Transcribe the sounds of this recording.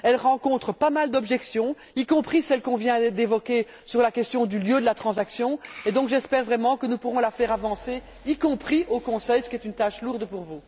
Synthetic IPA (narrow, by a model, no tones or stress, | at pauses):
ɛlʁɑ̃kɔ̃t̪χəpamald̪ɔbʒɛksjɔ̃ | ikɔ̃pχisɛlkɔ̃vjɛ̃d̪evɔkʲe | syʁlakʲɛst̪jɔ̃d̪yljød̪əlat̪χɑ̃zaksjɔ̃ed̪ɔ̃kʒɛspɛʁvʁɛmɑ̃kənupuʁɔ̃lafɛʁavɑ̃se | ikɔ̃pχiokɔ̃sɛjsə̥kʲiɛt̪ynt̪aʃluʁd̪puʁvu